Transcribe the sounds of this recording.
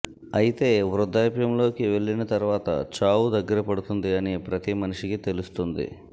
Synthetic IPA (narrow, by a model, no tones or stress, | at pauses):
ɐjit̪e̞ːʋɾud̪ːaːpjɐmlo̞ːkiʋe̞ɭːinɐt̪ɐɾuʋaːt̪ɐ̰t͡ʃaːwud̪ɐɡːɐɾɐpɐɽut̪und̪iɐnipɾɐt̪imɐniʂikit̪e̞lust̪und̪ḭ